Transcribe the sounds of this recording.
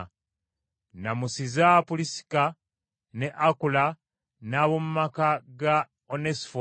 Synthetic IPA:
namusizapulisi̥ka | ne̞ʔakula | naβomumakaɡa | onesfo

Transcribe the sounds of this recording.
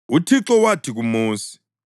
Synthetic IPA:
utʰiǁɔwatʰik̬umuːsi̥

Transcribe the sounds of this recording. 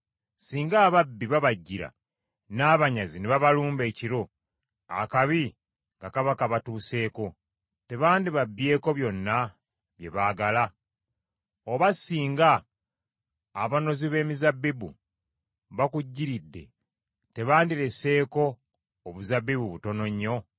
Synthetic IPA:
siːŋɡaːβabːiβaβaɟːiɾa̰ | naːβaɲazineβaβaluːmbe̞ːciɾo̞ | a̰kaβi | ŋɡakaβakaβatuːse̞ːko̞ | te̞βaːndiβabːje̞ːko̞βjo̞nːa | βje̞̰βaːɡala | oβasiːŋɡa | βano̞ziβe̞ːmizabːibṵ | βakuɟːiɾidːe̞̰ | te̞βaːndiɾe̞se̞ːko̞ː | βuzabːiβuβuto̞no̞ɲːo̞

